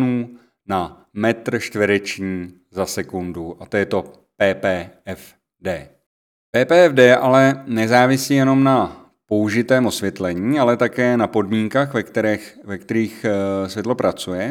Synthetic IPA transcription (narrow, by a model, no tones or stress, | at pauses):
nuː | namɛt̪r̩ʃt̪vɪɾɛt͡ʃɲiː | zasɛkunduʔat̪ojɛt̪o̞ | pɛːpɛːɛf | dɛː | pɛːpɛːɛvdɛːʔalɛnɛzaːvɪsiːjɛno̞mna | po̞uʒɪt̪ɛːmo̞svjɛt̪lɛɲiːalɛt̪akɛːnapo̞dmiːŋkaxvɛkt̪ɛɾɛxvɛkt̪ɛɾiːxsvjɛt̪lo̞pɾat͡sujɛ